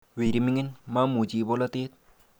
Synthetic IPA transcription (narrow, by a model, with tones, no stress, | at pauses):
we˨ɾi˨mi˦ŋi˦nma˦mu˨t͡ʃi˨bɔ˦la˦t̪eː˦t̪̚